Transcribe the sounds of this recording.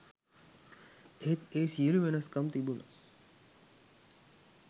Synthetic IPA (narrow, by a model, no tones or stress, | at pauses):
eɦet̪eːsiuluʋenɐskɐmt̪ibunʔɐ̰